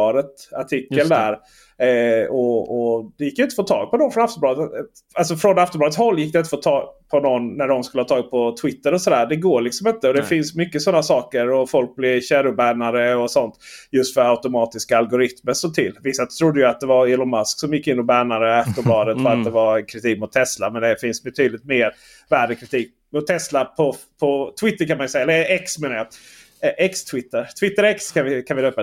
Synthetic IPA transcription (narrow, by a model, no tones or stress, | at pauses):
ɾət̪aʈʰɪkːəld̪æɾ | ɔɔd̪ɛjɪkːjʏnt̪əfoːt̪ʰːɑ̰ːɡ̚pʰɔnɔnfɾɔnaft̪ɔmb̪ɑːd̪ə | alsɔfɾɔnaft̪ɔmlɑd̪ətshɔlːjɪk̚ːd̪ɛɪnt̪ə̥foːt̪ʰɑːɡpʰɔnɔnːæɖɔmskɵləhɑːt̪ʰɑːɡpʰɔt̪ʰwɪt̪ːəɾɔsɔd̪æːɖ̪ɛɡoːɭɪksɔmɪnt̪əɔd̪ɛfɪnsmʏkːəsɔnːasɑːkəɾɔfɔlk̚blɪvɕæɾʊbæːɳaɾəɔsɔnt̪jɵst̪fœɾaʉt̪ʊmɑːt̪ɪskaːlɡʊɾɪt̪məʂɔmt̪ʰɪlːvɪsːat̪ʰɾʊd̪ːəjʉat̪̚d̪ɛvaɾɪlʊnmasksɔmjɪkːɪnːɔbæːɳaɾəaft̪ɔbɑːd̪ət̪fœɾat̪̚d̪ɛvankʰɾɪt̪ʰiːk̚mʊt̪ʰːɛslamɛnd̪ɛfɪnsbɛt̪ʰyːd̪lɪt̪meːɾ | væːɖəkʰɾɪt̪ʰiːk̚ | mʊt̪ʰːɛslapʰɔpʰɔt̪ʰvɪt̪ːəɾkʰanmanjsɛjaɛlːəɛksmeːnaja | ʔɛkst̪ʰvɪt̪ːəɾt̪ʰvɪt̪ːəɾɛkskʰanvɪkʰanvɪd̪øːpa